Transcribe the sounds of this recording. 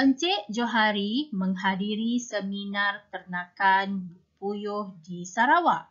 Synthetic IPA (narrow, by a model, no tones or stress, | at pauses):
pəɲt͡ʃeʔd͡ʒoɦaɾiməŋɦadiɾisəminart̪ərnakanb | pujʊhdisaɾawaʔ